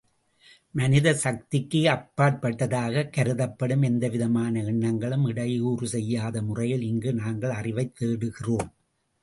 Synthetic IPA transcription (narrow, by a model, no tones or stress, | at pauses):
mɐnɪðɐsɐk̚t̪ɪkːɯɐpːaːʈ̚pɐʈːɐðaːɣɐkɐɾɯðɐpːɐɽɯmɛnd̪ɐʋɪðɐmaːnɐɪɳːɐŋɡɐɭɯmɪɽɐjuːrɯsɛjːaːðɐmʊrɐjɪlɪŋɡɯnaːŋɡɐɭɐrɪʋɐɪt̪ːeːɽɯɣɪroːm